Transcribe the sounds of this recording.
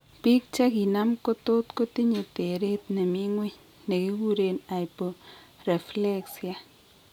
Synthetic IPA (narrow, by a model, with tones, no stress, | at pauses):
pi˦k̚t͡ʃa˦ɡi˨na˦mko˦t̪o˦t̪ko˦t̪i˦ɲe˨t̪e˨ɾe˦t̪ne˨mi˦ŋwe˦ɲ | ne˨ɡi˦wu˦ɾe˨najpo˨ | re˨fle˦ksja˦